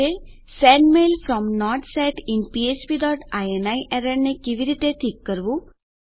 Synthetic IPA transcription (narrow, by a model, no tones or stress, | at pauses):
e | sɛɳɖmelfɾɔmnɔɾʈsɛʈinpiespiːɖɔʈajenajʔɛɾeɽnekiʋiɾit̪et̪ʰiːkːəɾʋu